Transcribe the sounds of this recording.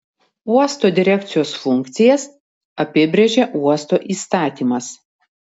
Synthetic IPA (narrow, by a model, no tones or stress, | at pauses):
uɔst̪oːd̪ʲɪɾʲɛkt̪sʲɪjoːsfʊŋʲkt̪sʲɪjɛs | ɐpʲɪbʲɾʲeʒʲeʔuɔst̪oːʔiːst̪ɑːt̪ʲiːmɐs